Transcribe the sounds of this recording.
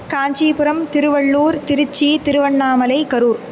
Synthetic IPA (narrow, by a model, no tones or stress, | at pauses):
kaːɲd͡ʒiːpɯɾɐmt̪ɪɾɯʋɐɭːuːɾt̪ɪɾɯt͡ʃːit̪ɪɾɯʋɐɳːaːmɐlɐɪkɐɾuːɾ